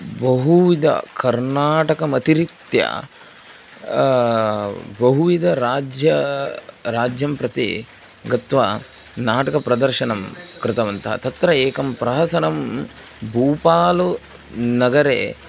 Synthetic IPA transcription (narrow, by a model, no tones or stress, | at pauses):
bɐɦuʋid̪ɐ̰kɐɾnaːʈɐkɐmɐt̪iɾit̪jɐ̰ | bɐɦuʋid̪ʱɐɾaːd͡ʒjɐ | ɾaːd͡ʒjɐmpɾɐt̪ḭ | ɡɐt̪ʋɐ | naːʈɐkɐpɾɐd̪ɐɾʃɐnɐmkɾɪt̪ɐʋɐnt̪ʰɐt̪ɐt̪ɾɐeːkɐmpɾɐɦɐsɐnɐm | bʱuːpaːlu | nɐɡɐɾḛː